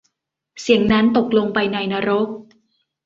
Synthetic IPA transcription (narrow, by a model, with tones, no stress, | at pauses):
si˨˩˦əŋna˦˥nt̪o˨˩k̚lo˧ŋpa˧jna˧jna˧˥ɾo˦˥k̚